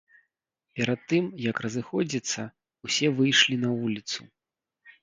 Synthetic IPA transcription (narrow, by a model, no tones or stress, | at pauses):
pʲɛɾɐt̪ːɨmjɐkrɐzɨxɔd͡zʲit̪sːɐ | usʲɛvɨjʂlʲinɐvulʲit̪su